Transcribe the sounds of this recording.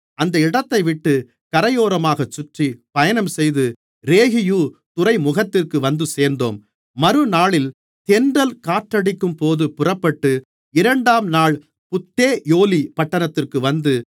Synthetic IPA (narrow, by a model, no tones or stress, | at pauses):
ɐnd̪ɐɪɽɐt̪ːɐɪʋɪʈːɯ | kɐɾɐjoːɾɐmaːɣɐt͡ʃːʊʈripɐjɐnɐmsɛjðɯ | ɾeːɣɪjuːt̪ʊrɐɪmʊɣɐt̪ːɪrkɯʋɐnd̪ɯseːɾnd̪o̰ːmː | ɐɾɯnaːɭɪl | t̪ɛndɐlkaːʈrɐɽɪkːɯmpoːðɯpʊrɐpːɐʈːɯ | ɪɾɐɳɖaːmnaːɭ | pʊt̪ːeːjoːlipɐʈːɐnɐt̪ːɪrkɯʋɐnd̪ɯ